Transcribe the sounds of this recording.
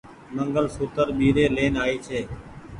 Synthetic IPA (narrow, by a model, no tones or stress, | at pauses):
məŋɡəlsʊːt̪əɾɓiːɾeːleːnaːiːt͡ʃʰeː